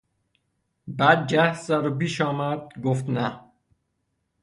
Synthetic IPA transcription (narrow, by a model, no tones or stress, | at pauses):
bæːd̪̚d͡ʒæhszæɾopiːʃɒːmæd̪̚ɡoft̪næ